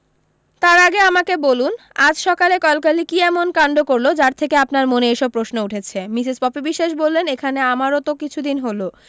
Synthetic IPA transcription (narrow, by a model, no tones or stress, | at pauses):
t̪aɾaɡeamakebolun | ad͡ʑʃɔkalekɔlkalikiɛmonkaɳɖokoɾlod͡ʑaɾt̪ʰekeapnaɾmoneejʃɔb̚pːɾosnouʈʰet͡ɕʰemisispɔpibiʃːeʃ̬bolːenekʰaneamaɾot̪okit͡ɕʰud̪inɦolo